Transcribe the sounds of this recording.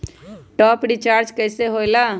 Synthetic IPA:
ʈɔːpɖit͡ʃaːɾd͡ʒkəɪseɦoɪla

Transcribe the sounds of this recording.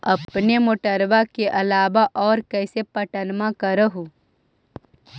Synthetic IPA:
ɐpnemoːʈəɾʋakeʔɐlaːbaʔɔːɾkɛːsepɐʈənmãkəɾəɦu

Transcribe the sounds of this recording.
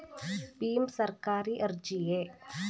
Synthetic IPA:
biːmsəɾkaːɾiʔɐɾd͡ʒie

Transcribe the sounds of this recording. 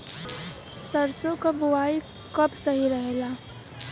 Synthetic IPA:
sɐɾsõkabʊʋaːi | kɐbsɐɦiɾɐɦelaː

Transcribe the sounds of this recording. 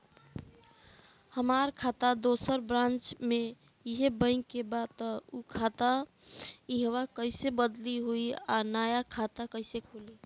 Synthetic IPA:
həmaɾkʰat̪ad̪osəɾbɾãnt͡ʃme | iɦebəɪŋkebad̪t̪ukʰat̪a | iɦwakəɪsebəd̪liɦuianajakʰat̪akəɪsekʰuli

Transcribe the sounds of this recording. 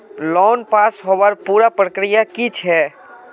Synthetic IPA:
lɔːnpaːsɦoʋəɾpuːɾapɾəkɾɪjakit͡ʃʰɛː

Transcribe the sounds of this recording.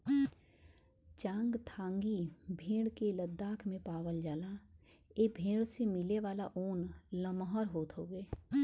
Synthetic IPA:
t͡ʃãːŋɡt̪ʰãːŋɡibʱẽːɽkeləd̪ːaːkʰmẽpaːʋəld͡ʒaːla | eːbʱẽːɽsemɪleʋaːlaʔoːnləmɦɔɾɦoːt̪ɦoːɡeː

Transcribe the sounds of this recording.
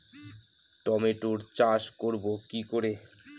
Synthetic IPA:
ʈɔmeʈoɾt͡ɕaʃkoɾbokikoɾe

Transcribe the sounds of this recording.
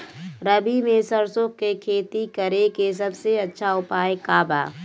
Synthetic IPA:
ɾəbimẽsəɾsokːekʰeːt̪ikəɾekes̬ɐbseɐtːʃʰaʊpaːjekaːba̰ː

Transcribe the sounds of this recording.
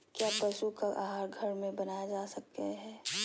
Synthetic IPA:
kjaːpɐʃukaʔaɦaːɾɡʱɐɾmẽbɐnaːjad͡ʒaːsɐk̚eɦɛː

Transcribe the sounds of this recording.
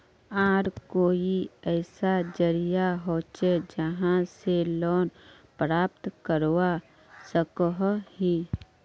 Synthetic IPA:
aːɾkoːiɛːsad͡ʒəɾijaɦoːt͡ʃed͡ʒəɦãselɔːn | pɾaːpt̪kəɾwa | səkəɦɦiː

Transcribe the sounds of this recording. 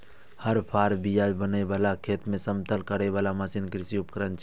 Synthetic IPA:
həɾpʰaːɾbijaːd͡ʒbəneʋaːlakʰeːt̪mẽsəmt̪ʰəlkəɾeʋaːlamasinkɾɪsiʊpkɾənt͡ʃʰ

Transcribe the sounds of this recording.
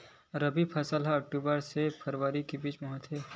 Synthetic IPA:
ɾɐbipʰɐsəlɦaɐk̚ʈuːbəɾsepʰɐɾʋəɾikibiːt͡ʃmɔɦət̪ɦeː

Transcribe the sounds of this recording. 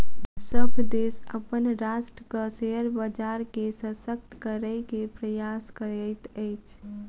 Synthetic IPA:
səbʱd̪esəpənɾasʈəkəseəɾbəd͡ʒaɾkesə̃sək̚t̪kəɾəɪkepɾəjaskəɾəjt̪əjt͡ʃʰ

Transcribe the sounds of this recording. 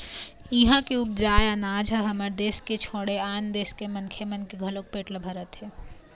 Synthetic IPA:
iɦãkeʊp̚d͡ʒaːeənaːd͡ʒʱaɦɐməɾd̪eːsket͡ʃʰoːɽeaːnd̪eːskemɐnkʰemɐnkeɡʱɐlok̚peːʈlbʱɐɾət̪ɦɛː

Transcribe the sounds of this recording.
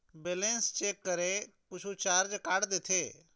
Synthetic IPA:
beːlẽnst͡ʃeːkːəɾe | kʊt͡ʃʰut͡ʃaːɾd͡ʒkaːɽd̪eːt̪ʰeː

